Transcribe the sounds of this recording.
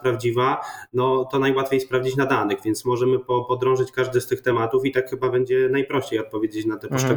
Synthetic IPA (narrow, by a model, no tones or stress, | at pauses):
pɾavd͡ʑivanɔt̪ɔnajwat̪fʲjejspɾavd͡ʑit͡ɕnad̪anɘɣvʲɛnt̪smɔʐɛmɘpɔpɔd̪ɾɔ̃w̃ʐɘt͡ɕkaʐd̪ɘst̪ɘxt̪ɛmat̪ufit̪akxɘbabɛɲd͡ʑɛnajpɾɔɕt͡ɕejɔt̪̚pɔvʲjed͡ʑet͡ɕnat̪ɛpɔʂɛɡ